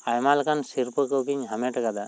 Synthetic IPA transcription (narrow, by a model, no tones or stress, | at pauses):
ajmalkʰansiɾpɯkɯwkiɲɦamɛʈakad̪a